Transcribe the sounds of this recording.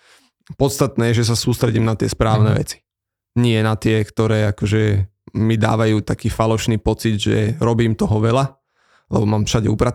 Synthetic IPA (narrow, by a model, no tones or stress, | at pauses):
pɔt̪st̪at̪nɛːjɛʒɛs̬asuːst̪ɾɛɟiːmnat̪ɪɛspɾaːʊnɛʋɛ̰t͡si̥ | ɲɪɛnat̪ɪɛkt̪ɔɾɛːakɔʒɛ | mid̪a̰ːʋajuːt̪akiːfalɔʃniːpɔt͡sid̪ʒɛ̰ɾɔbiːmt̪ɔɦɔʋɛla | lɛ̰bɔmaːmfʃaɟɛupɾa